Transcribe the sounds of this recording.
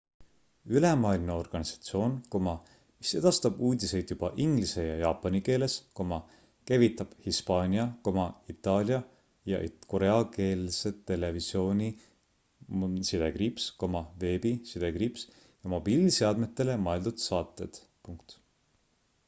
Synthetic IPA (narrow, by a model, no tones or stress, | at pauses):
ylemɑːlineo̞rɡ̥ɑnʲisɑ̥t̪sio̞ːnkomɑ | mise̞d̪̥ɑst̪ɑb̥uːd̪ʲise̞jd̪̥jub̥ɑʔiŋɡlise̞jɑjɑːpːˑɑnike̞ːle̞sko̞mɑ | kæjvit̪ːˑɑb̥hispɑːnʲiɑko̞mɑit̪ːˑɑːlʲjɑ | jɑ̰ʔḭko̞ɾe̞ɑke̞ːlse̞t̪ːe̞le̞visjo̞ːnʲi | sid̪e̞ɡripsko̞mɑve̞ːbisid̪̥e̞ɡrips | jɑmo̞b̥iːliseɑd̪̥met̪ːˑe̞le̞mɑeld̪̥ud̪̥sɑːt̪ːˑe̞d̪̥ | puŋkt̪